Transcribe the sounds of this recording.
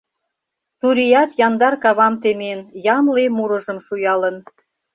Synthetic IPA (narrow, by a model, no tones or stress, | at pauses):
t̪uɾijɑt̪jɑnd̪ɑrkɑβɑmt̪emenjɑmlemuɾɤ̆ʒə̆mʃujɑlə̆n